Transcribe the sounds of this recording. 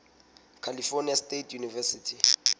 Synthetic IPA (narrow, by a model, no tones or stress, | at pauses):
kʰalifoniastetʰjunivɛsitʰi